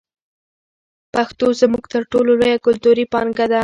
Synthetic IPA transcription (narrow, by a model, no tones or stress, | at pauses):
paxt̪ozmuɡt̪əɾʈololojakʊlt̪uɾipɑŋɡad̪a